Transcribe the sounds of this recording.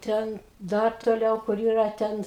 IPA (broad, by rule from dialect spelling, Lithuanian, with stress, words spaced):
ˈtʲɛn ˈdɐr toːˈlʲɛʊ kʊr ˈiːrɐ ˈtʲɛn